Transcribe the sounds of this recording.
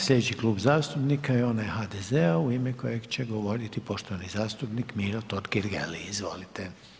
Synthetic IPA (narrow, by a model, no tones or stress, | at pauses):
slʲʎed̪et͡ɕikluːbzaːst̪upnikajeo̞najeɦaːd̪ezeauimeko̞jeɡt͡ɕeɡo̞ʋo̞ɾit̪ipo̞ʃt̪oʋanizaːst̪upnikmiːɾot̪od̪ɡiɾɡḛliizʋo̰lit̪e